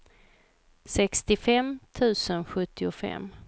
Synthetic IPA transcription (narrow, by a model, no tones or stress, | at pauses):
sɛkst̪ɪfɛmt̪ʰʉ̟ːsənɧɵt̪ʰːɪʊfɛ̰m